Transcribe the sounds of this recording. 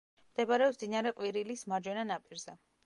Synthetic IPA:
md̪̥ɛbaɾɛɔsd̪inaɾɛqʼwiɾilismaɾd͡ʒwɛnanapʼiɾzɛ

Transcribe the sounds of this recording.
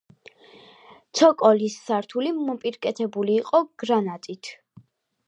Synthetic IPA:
t̪sʰɔkʼɔlisːaɾt̪ʰulimɔpʼiɾkʼɛt̪ʰɛbuliːqʼɔɡ̥ɾanat̪ʼit̪ʰ

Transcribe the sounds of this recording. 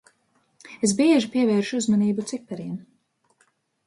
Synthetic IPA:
es̬biɛʒipiɛvɛːɾʃuzmaniːbut̪sipɛɾiɛm

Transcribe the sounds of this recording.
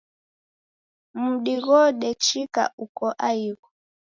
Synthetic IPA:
m̩ɗiɣɔɗɛt͡ʃika̰ʔukɔʔaiɣɔ

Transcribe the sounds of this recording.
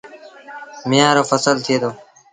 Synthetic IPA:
mɪjãːɾoːfəsəlt̪ʰieːt̪ʰoː

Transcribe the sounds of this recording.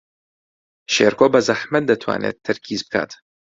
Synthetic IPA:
ʃeːɾkoːbɐzɐħmɐt̪̚d̪ɐt̪ʰwa̰ːnḛːt̪ʰːɨɾkʰiːzbɨkʰa̰ːt̪

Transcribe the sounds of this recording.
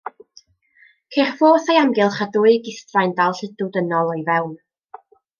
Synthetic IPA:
kʰerfoːθajamɡɪlˠχadʊɨɡɪstrajndalˠɬɪdʊdənɔlˠɔjvɛwn

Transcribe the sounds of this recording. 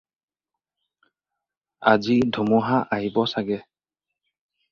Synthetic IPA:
azidʱumuɦaʔaɦibɔsaɡɛ

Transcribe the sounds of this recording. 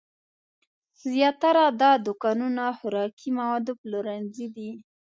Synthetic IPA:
zjɑt̪aɾad̪ɑd̪ʊkɑnunaxʊɾɑkʰimawɑd̪oploɾanzid̪i

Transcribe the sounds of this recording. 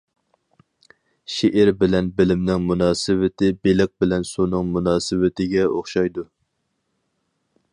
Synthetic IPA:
ʃeʔɪɾbɪlɛnbɪlɪmnɪŋmunɑːsɨwɪt̪ʰɪbelɪq̚bɪlɛnsunɨŋmunɑːsɨwɪt̪ʰɪɡʲɛoχʃɑjd̪u

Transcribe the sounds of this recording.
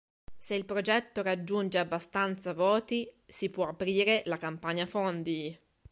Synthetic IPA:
seilpɾod͡ʒɛt̪ːoɾad͡ʒːund͡ʒeabːast̪ant̪savɔːt̪isipwɔapɾiːɾelakampaɲːafond̪i

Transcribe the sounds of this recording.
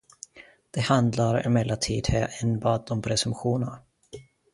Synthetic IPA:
d̪̥ɛhand̪laɾɪ̰mɛlːat̪ʰiːd̪hɛːʔɛnbɑːd̪ɔmpʰɾɛsɵmɧuːnaɾ

